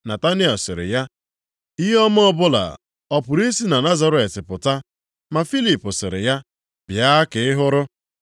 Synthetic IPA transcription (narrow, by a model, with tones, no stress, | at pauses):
na˨ta˦ni˦ɔ˨sɪ˨ɾɪ̰˨ja˦ | i˦ɦɔ˦m˦ɔ˦bʊ˦la̰˨ | ɔ˨pʊ˨ɾi˦si˦na˨na˦za˨ɾe˨tɪ˨pʊ˨ta˦ | ma˨fi˦li˨pʊ˨sɪ̰˨ɾɪ̰˨ja˦ | bja˦a˦kɪ˨ɪ˦ɦʊ˦ɾʊ˦